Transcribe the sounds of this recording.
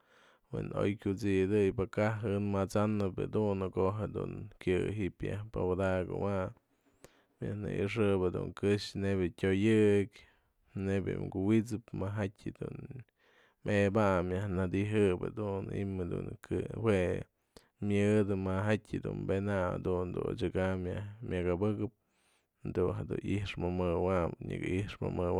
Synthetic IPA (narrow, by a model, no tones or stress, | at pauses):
wḛno̰jkʲut͡sid̪ɨjpakaɦɨnmat͡sanɨpḛd̪unɨkoʔɦed̪ṵnkjɨɦiʔpja̰hpawad̪aɡɨ̰wa | mja̰hnɨ̰ʔɨʂ̬ɨbad̪ṵŋkɨʂnebʲɨtʲojɨk | nebjɨ̰mɡuwit͡sɨpmaɦatʲɨd̪ṵn | mebamjahnad̪iɦɨba̰d̪unḭmed̪ṵnkɨhwe | mʲɨd̪ɨmaɦatʲɨd̪ṵnbenaa̰d̪und̪ṵnt͡ʃɨɡamjahmʲjaɡabɨkɨp̚ | d̪unɦed̪ṵiʂmɨmɨwamɲɨ̰kʔihʂmɨ̰mɨwa